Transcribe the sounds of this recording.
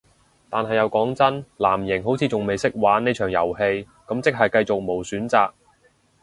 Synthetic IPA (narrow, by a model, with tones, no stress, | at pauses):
t̪aː˨nɦɐ˨jɐ˨˧wkɔː˨˥ŋt͡sɐ˥nlaː˨˩mjɪ˨˩ŋɦo˨˥wt͡sʰiː˨˧t͡sʊ˨ŋme˨jsɪ˥k̚waː˨˥nːe˥t͡ʃʰœː˨˩ŋjɐ̰˨˩wɦe˧j | kɐ˨˥mt͡sɪ˥k̚ɦɐ˨jkɐ˧jt͡sʊ˨k̚mo˨˩wsyː˨˥nt͡saː˨k̚